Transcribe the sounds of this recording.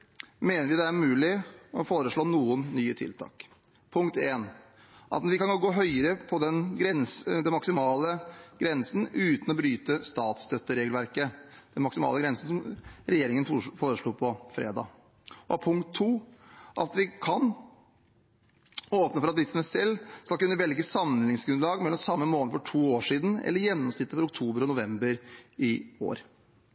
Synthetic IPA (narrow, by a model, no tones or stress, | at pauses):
meːnəɾʋɪd̪ɛæɾmʉːlɪɔfoːɾəʂɭoːnuːənːyːət̪ʰɪ̰lt̪ʰɑ̰ːk | pʰʊŋkt̪eːn | ʔɑ̰t̪nʋɪkɑnɡɔɡoːɦœʏəɾəpʰɔd̪ɛnɡɾɛnsd̪ɛmɑksɪmɑːləɡ̥ɾɛnsn̩ʉːt̪n̩ɔbɾyːt̪əst̪ɑːt̪st̪œt̪ːəɾeːɡlʋæɾkəd̪̥ɛnmɑksɪmɑ̰ːləɡɾɛnsn̩sɔmɾɛjeːɾɪŋənfoːɾəʂɭuːpʰɔfɾḛːd̪ɑ̰ː | ɔɑpʰʊŋkt̪ʰːuːʔɑt̪ʋɪkʰɑn | oːpnəfɔɾɑt̪ʋɪt̪sməsɛlːskɑlkʉnːəʋɛlɡəsɑmlɪŋsɡɾʉnlɑːɡmɛlːɔmsɑmːəmoːləɾfɔʈʰuːoːʂiːd̪n̩ɛ̰lːəɾjɛnːɔmst̪ɪt̪ːəfɔɾʊk̚t̪ʰuːbəɾɔnʊʋɛmbəɾɪo̰ːɾ